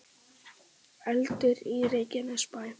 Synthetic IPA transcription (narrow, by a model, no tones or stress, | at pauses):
ɛlt̪ɪɾireːjcɪnaspaːj